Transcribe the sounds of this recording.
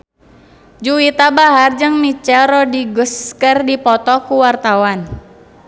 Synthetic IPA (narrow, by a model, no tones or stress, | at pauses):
d͡ʒuwit̪abaɦard͡ʒəŋnit͡ʃɛɾɔdiɡuskərdipɔt̪ɔkuwart̪awan